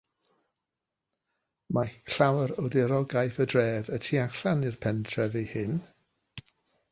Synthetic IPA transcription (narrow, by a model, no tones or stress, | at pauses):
makɬawəɾodɛɾɔɡajθədrɛːvətʰiaɬanirpʰɛntʰrɛvejhɪn